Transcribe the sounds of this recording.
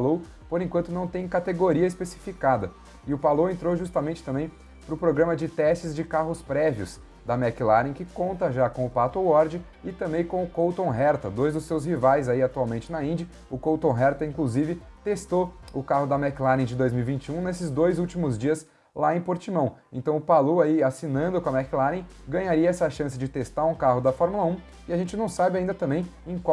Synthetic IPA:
low | poɾẽkwɐ̃nt̪ʊnɐ̃w̃t̪ẽj̃kat̪eɡoɾiɐɪspesi̥fikad̪ɐ | ɪʊpalowẽnt̪ɾoʒust̪ɐmẽnt͡ʃɪ̥t̪ɐ̃mbẽj̃ | pɾʊpɾoɡɾɐ̃mɐd͡ʒɪt̪ɛst͡ʃɪzd͡ʒɪkaɦʊspɾɛviʊ̰s | d̪ɐmɛkɪlaɾnĩj̃kɪkõnt̪ɐʒakõʊpat̪owɔɾd͡ʒɪ | ɪt̪ɐ̃mbẽj̃kõw̃ʊkowt̪õw̃ɦɛɾt̪ɐd̪ojzd̪ʊsewshivajzaiat̪uawmẽnt͡ʃɪnɐĩnd͡ʒɐ | ʊkowt̪õɦɛɾt̪ɐĩkluzivɪ | t̪est̪oʊkaɦʊd̪ɐmɛklaɾnẽj̃d͡ʒɪd̪ojzmiwivĩnt͡ʃiũnesɪzd̪ojzuwt͡ʃimʊzd͡ʒiɐs | laẽj̃poɾt͡ʃimɐ̃w̃ẽt̪ɐ̃w̃ʊpaloaiasinɐ̃nd̪ʊkõɐmɛklaɾnẽj̃ɡɐ̃ɲaɾiɐɛsɐʃɐ̃sɪd͡ʒɪt̪est̪aɾũkaɦʊd̪ɐfɔɾmulɐũ | ɪaʒẽnt͡ʃɪnɐ̃w̃sabɪaĩd̪ɐt̪ɐ̃mbẽj̃ẽj̃kwa

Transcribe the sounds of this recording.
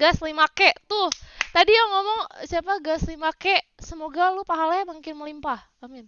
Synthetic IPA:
ɡaslimakɛʔt̪ʊht̪adijaŋɔmɔŋsiapaɡaslimakɛʔsəmoɡalupaɦalaamuŋkɪnməlimpah | amɪn

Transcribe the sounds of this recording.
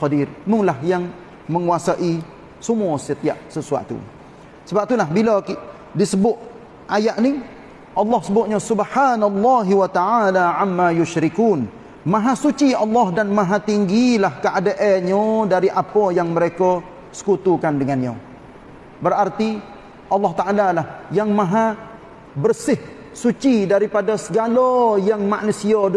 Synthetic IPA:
ɔdirmulahjaŋ | məŋuasaʔi | səmuɔsət̪iaʔsəsua̰t̪ṵ | səbap̚t̪ulaɦbilaki | disəbʊʔ | ʔajaʔni | ʔɑlːɔhsəbʊt̪̚ɲəsubħanalːɑɦwat̪aʕalaʕamːajʊʃɾikuːn | mãɦasut͡ʃiɑlːɑɦdanmãɦat̪iŋɡilahkəʔadaʔɛɲodaɾiʔapɔjaŋməɾekɔ | sə̥kut̪ukandəŋanɲa̰ | bərart̪i | ʔɑlːɑht̪aʔalalahjaŋmãɦa | bərsɪh | sut͡ʃidaɾipadasəɡalojaŋmaʔnusia

